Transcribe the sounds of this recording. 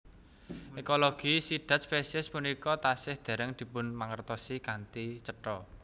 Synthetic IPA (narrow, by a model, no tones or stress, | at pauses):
ekoloɡ̥isid̪̥a̤t̪̚spesɛspunikɔt̪asɪhd̪̥a̤ɾəŋd̪̥i̤pʊnmaŋərt̪ɔsikant̪it͡ʃəʈɔ